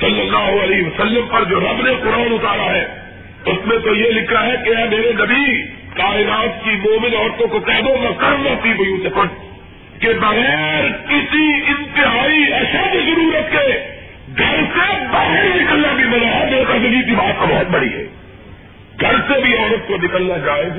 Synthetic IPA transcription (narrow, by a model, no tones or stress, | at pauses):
sɐlːəlːaːɦoɐliɦʋɐsəlːəmpɐɾd͡ʒoːɾɐbneqʊɾaːnʊt̪aːɾaɦɛː | ʊsmẽt̪ojelɪkʰaɦɛkeɛ̃ːmeːɾenɐbi | kaːɪnaːt̪̚kimɔːmɪ̃nɔːɾt̪õkokɛːd̪omɐ̃kɐɾmat̪ibʊjũt͡ʃɐkə̃n | kebɐɣɛːɾkɪsiɪ̃nt̪ɪɦaːiɐʃəd̪izɐɾuːɾət̪ke | ɡʱɐɾsebɐɦɛːɾnɪkəlnabʱimɐnaɦɛmeːekɐd̪əɡikibaːt̪̚kabɔɦʊt̪̚bɐɽḭɦɛ̰ː | ɡʱɐɾsebʱiɔːɾət̪̚konɪkəlnad͡ʒaːeɡ